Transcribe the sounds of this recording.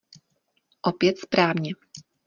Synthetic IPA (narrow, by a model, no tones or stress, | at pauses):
ʔopjɛt̪spɾaːvɲɛ